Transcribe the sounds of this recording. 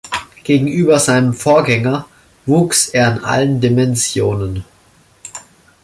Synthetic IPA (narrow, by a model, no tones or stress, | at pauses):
ɡ̥eːɡŋ̩ʔyːbɐzaɪnəmfoːɐɡɛŋɐ | vuːkseːɐɪnʔa̰ləndimɛnzjoːnən